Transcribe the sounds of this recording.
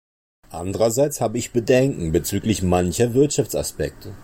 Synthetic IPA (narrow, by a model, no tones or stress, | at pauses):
ʔa̰ndəʁɐzaɪt͡shaːbəɪçb̥ədɛŋkŋ̩bət͡syːklɪçmançɐvɪɐtʃaft͡sa̰spɛ̰k̚tʰə